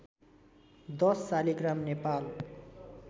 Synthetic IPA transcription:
d̪ʌsːaliɡramnepal

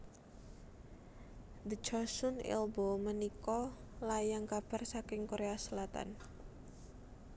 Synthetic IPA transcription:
d̪ə̥d͡ʒɔsʊnɪ̰lbomənikɔlajaŋkab̥a̤rsakɪŋkoɾeasəlat̪a̰n

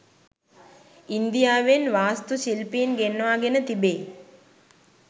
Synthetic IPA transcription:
ind̪ijaːʋenʋaːst̪usilpiːnɡenːʋaːɡenət̪ibeː

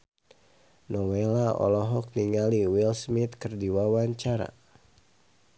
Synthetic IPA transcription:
nɔwelaɔ̰lɔɦɔk̚niŋaliwilsmit̪̚kɨrdiwawaɲt͡ʃaɾa̰

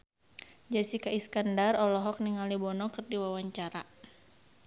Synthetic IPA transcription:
d͡ʒasikaiskandarɔlɔɦɔk̚niŋalibɔnɔkɨrdiwawaɲt͡ʃaɾa

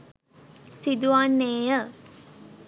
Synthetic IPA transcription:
sid̪uʋanːeːjə

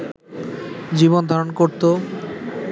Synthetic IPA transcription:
d͡ʑiβond̪ʱaɾonkoɾt̪o

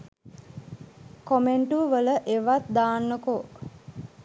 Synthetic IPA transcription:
komeɳʈuʋələʔeʋat̪d̪aːnːəko

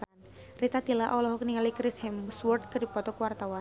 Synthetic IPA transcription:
nrit̪at̪ilaʔɔlɔɦɔk̚niŋalikɾishɛmswɔrt̪̚kɨripɔt̪ɔkuwart̪awan

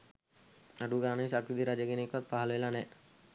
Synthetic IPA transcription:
aɖuɡaːnəesakid̪iɾad͡ʒəɡenekʋat̪̚paɦaləʋelanɛ

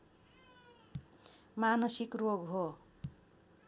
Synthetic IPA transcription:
manʌsikroɡɦo

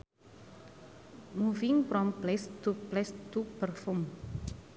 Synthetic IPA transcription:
muviŋpɾɔmplɛst̪uplɛst̪upərfum

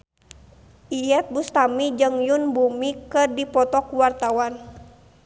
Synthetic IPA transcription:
ʔijɛt̪̚bust̪amid͡ʒɨŋjunbumikərdipɔt̪ɔkuwart̪awan

